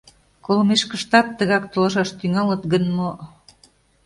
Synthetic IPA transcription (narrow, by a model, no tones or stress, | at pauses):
kolmeʃkə̆ʃt̪ɑt̪̚t̪ːəɣɑkt̪olɑʃɑʃt̪yŋɑlɤ̆t̪ɡənmo